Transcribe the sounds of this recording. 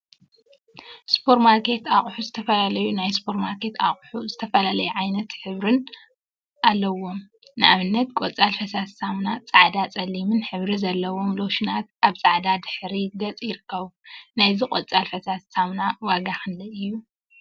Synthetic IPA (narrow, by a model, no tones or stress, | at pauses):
spʰo̞ɾmaɾkʰe̞t̪aχʼħuzɨt̪ʰɐfɐlalɐjunajspʰo̞ɾmaɾkʰe̞t̪a̰χʼħuzɨt̪ʰɐfɐlalɐjuʕajnɐt̪ħɨβɾɨn | ʔalːɐwːo̞m | nɨʔaβɨnːɐt̪̚kʼot͡sʼalfɐsassamnat͡sʼaʕd̪at͡sʼɐlːimɨnħɨβɾizɐlːɐwo̞mlo̞ʃɪnat̪̚ʔaβt͡sʼaʕd̪ad̪ɨħɾid̪ɐt͡sʼjɪɾɨkʰːɐβunajzikʼot͡sʼalfɐsassamnawaɡaxɨnd̪ɐɨjːu